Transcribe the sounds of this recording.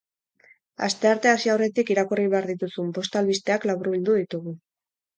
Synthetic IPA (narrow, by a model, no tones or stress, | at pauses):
a̰st̪e̞aɾt̪e̞asiawre̞t̪ikiɾakuriβe̞aɾðit̪usumpo̞st̪alβist̪e̞aklaβuɾuβild̪uðit̪uɣu